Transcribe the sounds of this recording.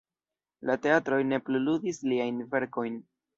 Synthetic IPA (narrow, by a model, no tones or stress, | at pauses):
late̞atɾo̞jne̞pluludisliajnve̞ɾko̞jn